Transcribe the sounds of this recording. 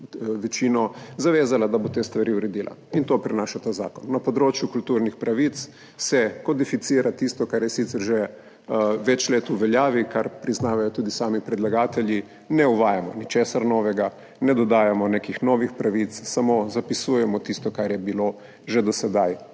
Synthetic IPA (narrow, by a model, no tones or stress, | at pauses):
ʋɛt͡ʃiːnɔzaʋeːzalad̪abot̪eːst̪ʋaɾiuɾɛd̪iːlʔa̰int̪oːpɾɛnaːʃat̪aza̰ːkɔnːɐpɔd̪ɾoːt͡ʃjukult̪uːɾnixpɾʔaʋit̪s | sɛkɔd̪ifit̪siːɾat̪ist̪ɔkaɾjɛsit̪sɛɾʒɛ | ʋɛt͡ʃleːt̪uʋɛljaːʋikaɾpɾiznaːʋajɔt̪uːd̪isaːmipɾɛd̪laɡaːt̪ɛlji | nɛuʋaːjamɔnit͡ʃeːsaɾnɔːʋɛɡa | nɛd̪ɔd̪aːjamɔnekixnɔːʋixpɾaʋit̪ssamozapisuːjɛmɔt̪ist̪ɔkaɾjɛbilo | ʒed̪ɔsɛd̪aj